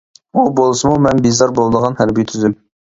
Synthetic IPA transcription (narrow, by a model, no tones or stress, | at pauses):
ubolˠsəmumɛnbizɑɾbolˠd̪əʁɑnhæɾbijt̪ʰyzym